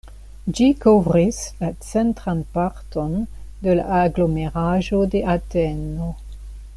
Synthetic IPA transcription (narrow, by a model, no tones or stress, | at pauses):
d͡ʒikovɾislat͡sentɾanpaɾto̞ndela̰aɡlo̞meɾaʒo̞de̞ʔateno̞